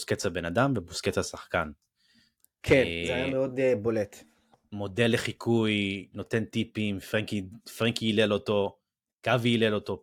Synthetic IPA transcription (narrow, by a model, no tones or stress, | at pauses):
sket͡sabenadamvebusket͡sasaχkan | kʰenmeod̪bolet̪ | mo̞de̞lːeχikʰujno̞t̪e̞nt̪ipimfʁeŋkifʁeŋkiːlelo̞t̪o̞ | kaviːlelo̞t̪o̞